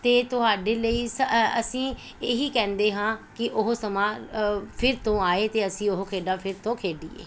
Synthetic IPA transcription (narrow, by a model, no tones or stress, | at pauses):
t̪eːt̪ʊɦaːɖeːləiːsəəsĩː | eɦiːkɛ̃ːnd̪eːɦãːkɪʔʊɦsəmãːpʰɪɾt̪õːaːeːt̪eːəsĩːʊɦokʰeːɖaːpʰɪɾt̪õːkʰeːɖḭːḛː